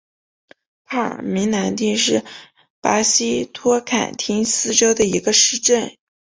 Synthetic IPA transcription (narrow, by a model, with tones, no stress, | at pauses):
pʰa˥˩ə̰˨˩mi˧˥ŋna˧˥nt̪i˥˧ŋʂɻ̩˥˩ | pa˧˥ɕi˥t̪ʰwɔ˥kʰa̰˨˩nt̪ʰi˥ŋsɹ̩˥ʈ͡ʂo˥ʊd̪ə˨i˧˥ɡə˧ʂɻ̩˥˧ʈ͡ʂə˥˩n